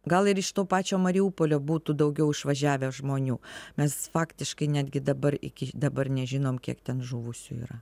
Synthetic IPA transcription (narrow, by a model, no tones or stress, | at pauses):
ɡɐlˠɪɾɪʃt̪oːpɑːt͡ʃʲoːmɐɾʲɪuːpoːlʲoːbuːt̪ud̪ɐʊɡʲɛʊɪʃʋɐʒʲæːʋʲæʒmoːnʲuːmʲɛsfɑːkt̪ʲɪʃkɐɪnʲæːd̪ʲɡʲɪd̪ɐbɐɾɪ̰kʲɪd̪ɐbɐrnʲɛʒʲɪnoːmkʲiɛkt̪ʲɛnʒuːʋʊsʲṵḭːɾɐ